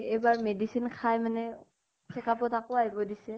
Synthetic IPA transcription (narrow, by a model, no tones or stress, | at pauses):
ejbaɹmedisinkʰajmanɛ | sʰɛkʰapɔtakʊaɦibɔdisɛ